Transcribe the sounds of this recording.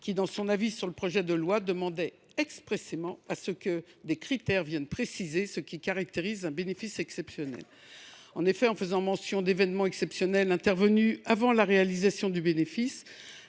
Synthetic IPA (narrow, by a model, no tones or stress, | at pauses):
kʲid̪ɑ̃sɔ̃navisyʁləpχɔʒɛd̪əlwad̪əmɑ̃d̪ɛ | ɛkspχesemɑ̃asəkəd̪ekχit̪ɛʁvjɛnpχesizesəkʲikaʁak̚t̪eʁizɛ̃benefisɛksɛpsjɔnɛ̰l | ɑ̃nefɛɑ̃fəzɑ̃mɑ̃sjɔ̃d̪evɛnmɑ̃ɛksɛpsjɔnɛlɛ̃t̪ɛʁvənyavɑ̃laʁealizasjɔ̃d̪ybenefis